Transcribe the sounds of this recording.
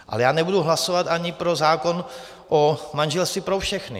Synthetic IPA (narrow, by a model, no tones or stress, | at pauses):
ʔa̰lɛjaːnɛbuduɦlaso̞vat̪ʔaɲɪpɾozaːko̞n | ʔomanʒɛlst̪ɪpɾofʃɛxnɪ̰